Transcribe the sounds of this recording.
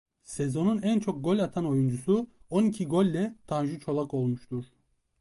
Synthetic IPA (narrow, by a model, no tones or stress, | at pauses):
sezo̞nunænt͡ʃʰo̞k̚ɡo̞lʲat̪ʰano̞jund͡ʒusuonicʰiɡo̞lʲːɛt̪ʰanʒɯt͡ʃʰo̞lˠako̞lˠmuʃt̪ʰuɾ̥